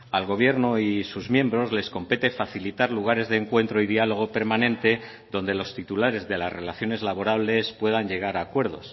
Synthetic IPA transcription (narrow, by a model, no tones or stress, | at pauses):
alɣo̞β̞je̞ɾnoisuzmje̞mbɾo̞zle̞sko̞mpet̪e̞faθilit̪aɾluɣ̞aɾe̞zðeːŋkwe̞nt̪ɾo̞ið̞ialo̞ɣ̞o̞pe̞ɾmanẽ̞nt̪e̞ | ðo̞nd̪e̞lo̞st̪it̪ulaɾe̞zðe̞lazre̞laθjo̞ne̞zlaβo̞ɾaβle̞spwe̞ðaɲʎe̞ɣ̞aɾaːkwe̞ɾð̞o̞̰s